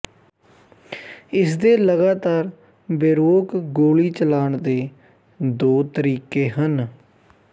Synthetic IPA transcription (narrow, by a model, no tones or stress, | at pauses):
ɪsd̪eːləɡaːt̪aːɾ | beɾoːkɡoːliːt͡ʃəlaːɳd̪eː | d̪oːt̪əɾiːkeːɦən